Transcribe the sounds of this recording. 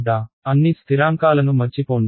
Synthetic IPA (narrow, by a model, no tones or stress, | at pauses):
d̪aː | ɐnːist̪ʰiɾaːŋkaːlɐnumɐɾt͡ʃipoːn